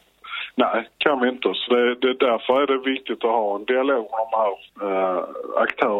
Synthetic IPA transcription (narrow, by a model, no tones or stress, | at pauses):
næɪkʰanvɪɪnt̪əsɔd̪ɛd̪ɛd̪æɾfəɾæɖɛvɪk̚t̪ɪt̪ɔhɑːɛnd̪ɪaloːɡmɛɖɔmhæːɾ | a̰kt̪ʰœː